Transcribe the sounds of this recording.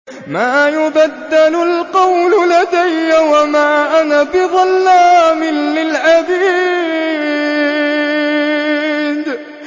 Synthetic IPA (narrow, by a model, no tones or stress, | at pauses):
maːjʊbad̪ːalʊlqɑwlʊlad̪ajːawamaʕʔanabɪðˤɑlːaːmɪnlɪlʕabiː | d̪